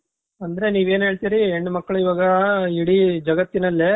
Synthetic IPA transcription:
ɐnd̪ɐɾeniːʋe̞ːnɦeːɭt̪iɾieɳɖumɐkːɐɭuiʋaːɡɐiɽid͡ʒɐɡɐt̪ːinɐlːe

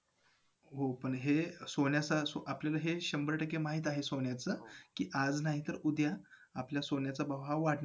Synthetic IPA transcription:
ɦopəɳɦesoɳjasasoʔapljalaɦeɕəmbəɾʈəkemaɦiːt̪aɦesoɳjat͡səkiːʔad͡znaɦit̪əɾud̪ja | apljasonjat͡sabəʋɦaʋːaɽna

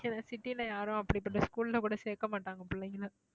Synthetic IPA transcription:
ɛnɐsɪʈːɪlɐjaːɾʊ̃ɐpːɐɽipːɐʈːɐskuːlɪlɐkuːɽɐseːkːɐmaːʈːaːŋɡɐpʊɭːeŋɡɐlɐ

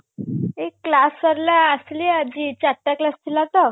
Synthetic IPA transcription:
ekːlassəɾlaəslid͡ʑit͡ɕaʈ̪ːjaklast̪ʰilat̪ə

